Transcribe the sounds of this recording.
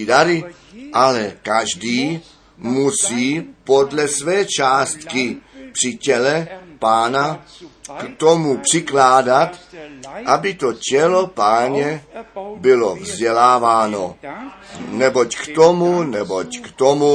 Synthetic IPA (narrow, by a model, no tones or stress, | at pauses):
daɾɪ | ʔalɛkaʒdiː | musiːpo̞dlɛsvɛːt͡ʃaːst̪kɪpr̥ɪcɛlɛpaːnakt̪o̞mupr̝̥ɪklaːdat̪ʔabɪt̪o̞cɛlo̞paːɲɛbɪlo̞vzɟɛlaːvaːno̞ | nɛbo̞ckt̪omunɛbockt̪omu